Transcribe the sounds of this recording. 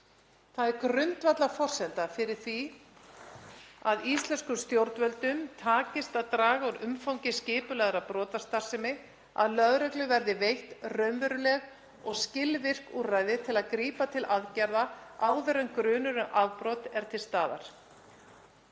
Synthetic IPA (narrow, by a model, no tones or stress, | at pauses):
θaðɛɾkɾʏnt̪vat̪lafɔr̥sɛnt̪afɪɾɪɾ̥θi | aðist̪lɛnskʏst̪jowɾt̪vœlt̪ʏmt̪ʰaːcɪst̪aðt̪ɾaːɣauɾʏmfawɲcɪscɪːpʏlɛɣɾapɾɔːt̪ast̪ar̥sɪmɪ | a̰ðlœðɾɛklʏvɛɾðɪvejht̪rœɥnvœɾʏlɛɣ | ɔɣscɪlvɪr̥kuraːjðɪt̪ʰɪlaðkɾiːpat̪ʰɪlʔaðcɛɾðaaːwðɛɾʏmkɾʏːnʏɾʏʔaðpɾɔːt̪ɛɾ̥t̪ʰɪlst̪aːða̰ɾ̥